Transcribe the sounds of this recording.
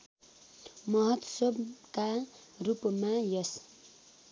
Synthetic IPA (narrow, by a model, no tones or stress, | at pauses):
mʌɦʌt̪sʌbka | rupmajʌs